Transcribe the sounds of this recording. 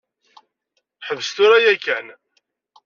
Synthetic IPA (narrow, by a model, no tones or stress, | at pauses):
ħəvəst̪ʊɾajækːæn